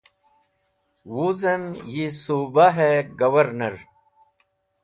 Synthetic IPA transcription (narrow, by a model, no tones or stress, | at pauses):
wuzemjisubaɦeɡɐwɐɾnɐɾ